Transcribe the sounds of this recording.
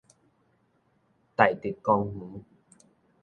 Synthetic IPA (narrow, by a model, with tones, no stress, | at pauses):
t̪a˨˩jt̪i˨˩kːɔ˧ŋhũ˨˦